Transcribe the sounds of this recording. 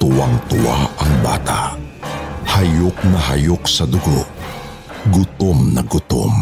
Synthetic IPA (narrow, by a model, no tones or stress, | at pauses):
t̪ʊwaŋt̪ʊwa̰ɐŋba̰ːt̪aʔ | hajok̚nɐɦajoksɐd̪ʊɡo̰ʔ | ɡʊt̪omnɐɡʊt̪o̰m